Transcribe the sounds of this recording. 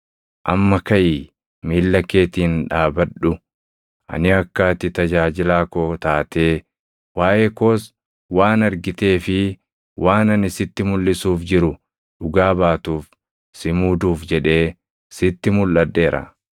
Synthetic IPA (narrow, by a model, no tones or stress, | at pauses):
ʔɐmːɐkɐʔiː | miːlːɐkːe̞ːt̪iːnᶑaːbɐᶑʊ | ʔɐ̰nɪɐkːaːt̪ɪt̪ɐd͡ʒaːd͡ʒɪlaːkoːt̪aːt̪e̞ː | waːʔeːkoːs | waːnɐɾɡɪt̪e̞ːfɪ | wʔaːnɐnɪsɪt̪ːɪmʊlːɪsuːfd͡ʒɪɾʊ | ᶑʊɡaːbaːt̪uːf | sɪmuːd̪uːfd͡ʒɛᶑe̞ː | sɪt̪ːɪmʊlːɐd̪ːe̞ːɾɐ̰